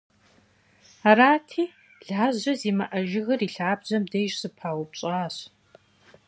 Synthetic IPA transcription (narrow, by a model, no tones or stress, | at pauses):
aɾaːtʰiː | ɮaːʑɐziːmɐʔɐʒɪɣɐriːɬaːbʑɐmdejʒsɨpʰaːwʊpɕʼaːɕ